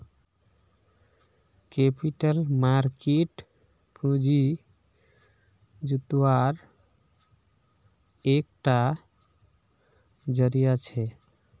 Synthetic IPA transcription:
kepiʈəlmaɾkeʈ | kʰũd͡ʒi | d͡ʒut̪waɾ | ekʈa | d͡ʒəɾijat͡ʃʰɛ

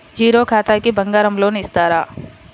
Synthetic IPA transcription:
d͡ʒiːɾokʰaːt̪akibɐ̃ŋɡaːɾɐmloːnɪsd̪aːɾaː

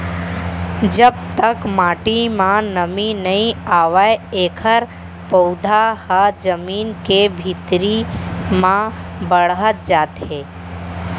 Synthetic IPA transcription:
d͡ʒəb̚t̪əkmaːʈimãnəminəĩaːʋəjeːkʰəɾ | pod̪ʱahad͡ʒəmiːnkebʱit̪ɾimãbəɽɦət̪̚d͡ʒaːt̪eː

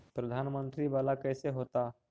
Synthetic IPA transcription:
pɾəd̪ʱanmənt̪ɾiʋalakəjseɦot̪a

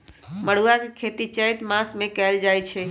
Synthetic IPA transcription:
məɽ̤uakekʰet̪it͡ʃəjt̪masmekɛld͡ʒajt͡ʃʰɛ

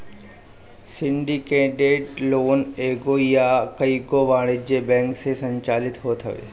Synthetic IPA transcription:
sɪ̃ɳɖikeːʈeːʈloːneːɡojakɐiɡoʋaːɽ̃ɪd͡ʑeːbɛ̃ːŋksesɐ̃ɲt͡ɕaːlɪt̪ɦot̪ʰɐʋḛː

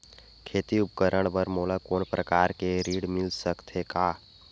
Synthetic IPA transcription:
kʰeːt̪iʊp̚kəɾəɽ̃bəɾmoːlakoːnpɾəkaːɾkeɾiːɽmɪlsəkt̪ʰekaː

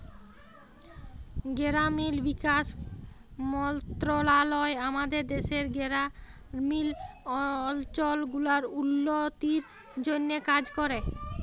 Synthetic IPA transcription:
ɡeɾamilbikaʃ | mɔnt̪ɾolalɔeamad̪eɾd̪eʃeɾɡeɾa | mil | ɔlt͡ɕolɡulaɾulːot̪iɾ | d͡ʑonːekad͡ʑkɔɾe

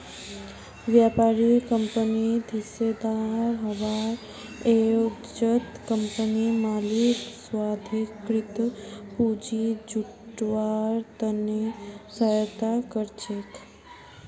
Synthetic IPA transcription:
ʋjapaɾikəmpənid̪ʱised̪aɾɦəʋaɾ | eo | d͡ʒət̪kəmpənimaliksʋad̪ʱikɾit̪pud͡ʒid͡ʒuʈʋaɾt̪ənesəjət̪akəɾt͡ʃek

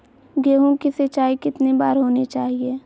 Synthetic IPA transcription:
ɡeːɦõkisɐt͡ʃaːikɪt̪nebaːɾɦoːnet͡ʃaːɦieː

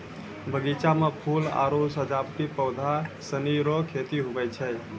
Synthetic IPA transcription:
bʱəɡit͡ʃamepʰula̰ɾosəd͡ʒapt̪ipəwd̪ʱasəniɾɔkʰet̪iɦubəjt͡ʃʰə

